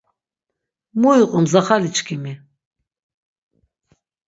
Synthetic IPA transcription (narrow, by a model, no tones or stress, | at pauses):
muiqʼumzaχalit͡ʃkʰimi